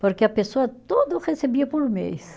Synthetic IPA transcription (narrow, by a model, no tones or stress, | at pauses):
poɾkeɐpesoɐt̪od̪ɐʁesebiɐpolmḛjs